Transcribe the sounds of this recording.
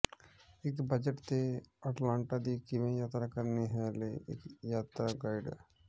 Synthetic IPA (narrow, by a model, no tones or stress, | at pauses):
ekbəd͡ʒəʈt̪eəʈlãːɳʈad̪ikɪmẽjaːt̪ɾakəɾneɦɛleḛkjaːt̪ɾaɡaɪɖ